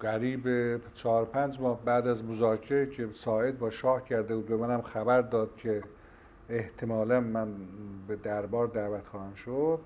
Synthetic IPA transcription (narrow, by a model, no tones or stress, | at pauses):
ɡæɾiːbet͡ʃʰɒːɾopʰænd͡ʒmɒːhbæːd̪æzmozɒːcʰeɾecʰesɒːe̞d̪̚bɒːʃɒːhcʰæɾd̪ebuːd̪̚bemænæmxæbæɾd̪ɒːd̪̥̚cʲʰe | eht̪ʰemɒːlænmænbed̪æɾbɒːɾd̪æːvæt̪xɒːhænʃod̪̥